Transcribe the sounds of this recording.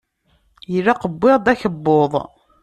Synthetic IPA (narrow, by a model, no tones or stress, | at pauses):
jəlːaqəbːeʁd̪æçəbːoðˤ